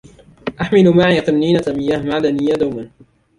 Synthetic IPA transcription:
ʔaħmɪlʊmaʕiːqɨmniːnat̪amɪjːaːhmaʕlanɪjːad̪awman

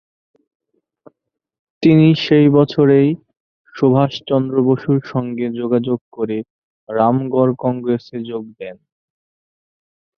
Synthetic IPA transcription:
t̪iniʃejbɔt͡ɕʰoɾej | ʃobʱaʃt͡ɕɔnd̪ɾoboʃuɾʃɔŋɡed͡ʑoɡad͡ʑoɡ̚koɾe | ɾamɡɔɾkɔŋɡɾesed͡ʑoɡ̚d̪ɛn

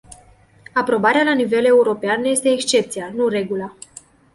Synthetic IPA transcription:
apɾo̞baɾealanive̞le̞uɾo̞peanje̞st̪e̞ːkst͡ʃe̞p̚t̪sijanure̞ɡula

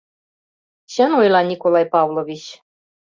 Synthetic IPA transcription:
ɕɘ̆nojlɑnʲikolˠɑjpɑvlˠovʲit͡ɕ

